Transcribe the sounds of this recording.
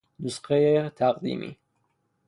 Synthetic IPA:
nusqɛjet̪ʰaqd̪ḭmḭ

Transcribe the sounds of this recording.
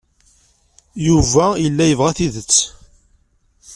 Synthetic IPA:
juvæjəlːæjəvʁæθiðət͡sː

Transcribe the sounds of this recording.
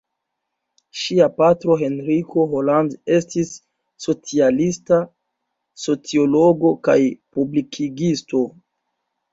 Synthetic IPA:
ʃiapatɾo̞ɦe̞nɾikʰo̞ɦolande̞stisː | o̞t͡sialista | so̞t͡sio̞loɡo̞kajpublikʰiɡisto̞

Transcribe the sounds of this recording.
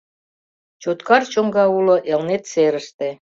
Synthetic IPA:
t͡ɕot̪kɑrt͡ɕoŋɡɑulŏʔelnet̪seɾəʃt̪e

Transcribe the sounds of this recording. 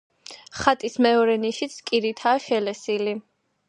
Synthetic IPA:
χat̪ʼismɛɔɾɛniʃit̪sʰkʼiɾit̪ʰaːʃɛlɛsili

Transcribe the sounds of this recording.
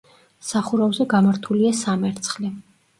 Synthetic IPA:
saχuɾavzɛɡamaɾt̪ʰuliasamɛɾt̪sʰχli

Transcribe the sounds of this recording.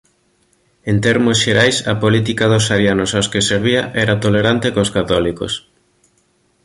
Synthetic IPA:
ent̪ɛɾmosʃeɾajsɐpolit̪ikaðosaɾjanosaoskeseɾβ̞iaʔɛɾat̪oleɾant̪ekoskat̪ɔliko̰s

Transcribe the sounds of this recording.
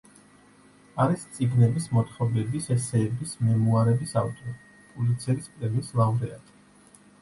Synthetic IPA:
aɾist̪sʼiɡnɛbismɔt̪χɔbɛbisɛsɛːbismɛmuaɾɛbisavt̪ʼɔɾ | pʼulit̪sʰɛɾispʼɾɛlislˠamɾɛat̪ʼ

